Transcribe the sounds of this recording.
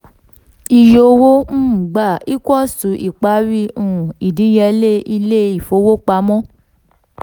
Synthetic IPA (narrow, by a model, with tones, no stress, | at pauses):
i˨jo˧˨wo˦m̩ː˦˨ɡ͡ba˨i˦kʷɔ˦˨su˨˦ʔi˨k͡pa˨˦ɾi˧˦ũ˦˨i˨dĩ˨˦jɛ˧le˦i˧le˦i˦˨fo˧˦wo˦k͡pa˧mɔ̃˦